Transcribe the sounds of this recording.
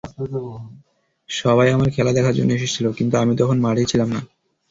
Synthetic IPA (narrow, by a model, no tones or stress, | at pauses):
ʃɔβajamaɾkʰɛlad̪ɛkʰaɾd͡ʑo̰nːoeʃ̬et͡ɕʰilokint̪uamit̪ɔkʰonmaɽit͡ɕʰilamna